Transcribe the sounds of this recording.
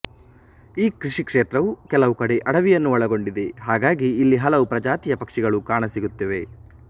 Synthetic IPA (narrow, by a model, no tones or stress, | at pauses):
iːkɾiʂikʂeːt̪ɾɐʋukɛlɐʋukɐɽe̞ʔɐɽɐʋijɐnːuɐɭɐɡo̞ɳɖid̪e̞ɦaːɡaːɡiːlːiɦɐlɐʋupɾɐd͡ʒaːt̪ijɐpɐkʂiɡɐɭukaːɳɐsiɡut̪ːɐʋe̞